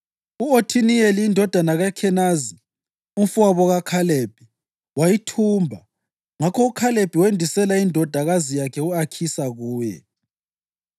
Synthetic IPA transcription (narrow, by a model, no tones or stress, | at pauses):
uotʰinieliindʱɔd̥ʱanaɣakʰɛnazi | umfuaβɔɣakʰaleb̥ʱi | wajitʰuːmbʱa | ŋakʰɔukʰaleb̥ʱiwendʱisɛlaindʱɔd̥ʱaɣazijakʰɛuakʰisaɣuːjɛ̰